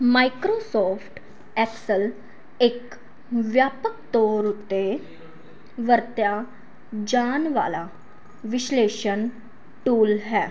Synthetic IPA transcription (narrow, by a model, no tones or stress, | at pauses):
maikɾosɔfʈ | ɛksəl | ek | ʋjapək̚t̪oɾɦot̪e | ʋəɾt̪ja | d͡ʑanʋa̰la | ʋiɕleɕən | ʈuːlɦɛ